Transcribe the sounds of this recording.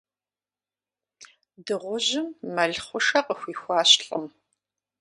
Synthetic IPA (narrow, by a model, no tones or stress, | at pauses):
dɨʁʷʊʑɪmːɐɮχʷʊʂɐqʼəxʷiːxʷɑːɕɬʼɐm